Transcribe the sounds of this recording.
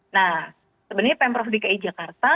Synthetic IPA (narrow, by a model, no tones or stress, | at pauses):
na | səbənəɲapɛmpɾɔfdikaid͡ʒakart̪a